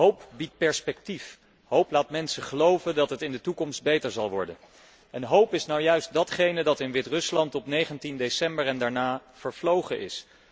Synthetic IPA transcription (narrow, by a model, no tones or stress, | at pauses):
ɦowpbit̚pɛɹspɛk̚tif | ɦowplaːtmɛnsəχəlowvəndɑtɦətɪndətukɔmst̚bejtəɹzɑlˠʋɔɹdə̰n | ʔɛnɦowpɪsnawjœɥst̚dɑtχejnədɑtɪnʋɪtrɵslɑntɔpnejχəntindejsɛmbəɹɛndaːɹnaːv̥əɹvlowχəʔɪ̰s